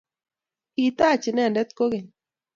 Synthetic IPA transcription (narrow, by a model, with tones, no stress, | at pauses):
i˨t̪a˦˨t͡ʃɪ˨nɛ˦˨ndɛ˦t̪ko˦ɡe˨